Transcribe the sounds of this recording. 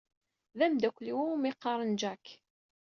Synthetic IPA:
ðæmd̪ækʷːliwuumiqːɑɾˤənd͡ʒæk

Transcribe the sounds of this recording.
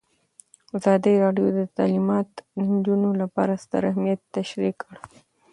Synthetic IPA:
azɑd̪iɾɑɖjod̪ət̪ɑlimɑt̪d̪ənd͡ʒunolapɑ̰ɾast̪a̰ɾahmijat̪ːaʃɾikəɽ

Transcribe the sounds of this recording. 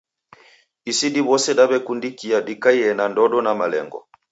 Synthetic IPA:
isiɗibɔsɛɗabɛkundikiaɗikaiɛnandɔɗɔnamalɛ̰ŋɡɔ̰

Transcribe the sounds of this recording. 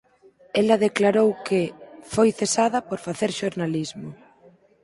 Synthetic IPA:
ɛlɐðeklaɾowkɪfojθesað̞ɐpoɾfaθeɾʃoɾnalizmʊ

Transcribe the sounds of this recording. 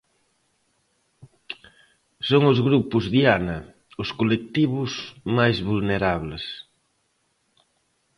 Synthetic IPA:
soŋʊzɣɾupʊzðianɐ | ʊskolek̚t̪iβʊsmajzβulneɾaβles

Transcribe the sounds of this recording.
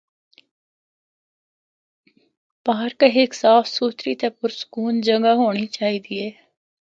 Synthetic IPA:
paːɾkəɦɪksaːfsuːt̪ɾiːt̪ɛpʊɾsə̥kuːnd͡ʒəŋɡaɦoːɽ̃it͡ʃaːiːd̪iːɛː

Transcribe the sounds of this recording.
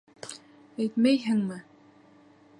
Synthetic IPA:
æjt̪mæjɦɘŋmɘ

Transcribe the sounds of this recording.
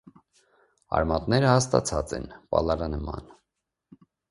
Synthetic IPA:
ɑ̰ɾmɑt̪nɛɾəhɑst̪ɑt͡sʰɑt͡sɛ̰npɑ̰lɑɾɑnəmɑ̰n

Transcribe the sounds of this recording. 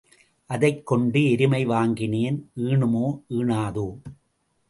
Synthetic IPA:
ʔɐðɐɪkːɔɳɖɯɛɾɪmɐɪʋaːŋɡɪneːnʔɯːɳɯmoːʔɯːɳaːðoː

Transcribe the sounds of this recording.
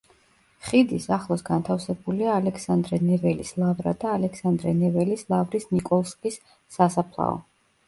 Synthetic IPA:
χid̪isaχlˠɔsɡant̪ʰafsɛbuliaːlɛkʰsand̪ɾɛnɛvɛlislˠavɾa̰d̪aːlɛksand̪ɾɛnɛvɛlislˠavɾisnikʼɔlˠskʼisː | asapʰlˠa̰ɔ̰

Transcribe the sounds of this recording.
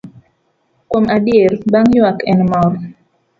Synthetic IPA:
kwomadijeɾbaŋjwakɛnmɔɾ

